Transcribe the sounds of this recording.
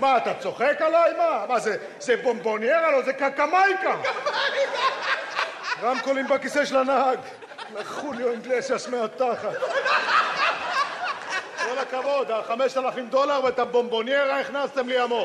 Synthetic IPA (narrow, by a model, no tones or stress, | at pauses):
maːt̪at͡so̞χekalajmamaze | zebombonjeʁalozekakamajka | ʁamkolimbakiseʃelanaɦaɡ | laχuljoiŋɡlesasmeat̪aχat̪ | kolakavo̞d̪aχameʃt̪alafimd̪o̞laʁvet̪abo̞mbonjeʁaiχnast̪e̞mliamo